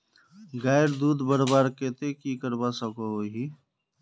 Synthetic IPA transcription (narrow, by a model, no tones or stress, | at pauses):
ɡaːjɾd̪uːd̪bəɾbaːɾket̪ekikəɾbasəkooɦi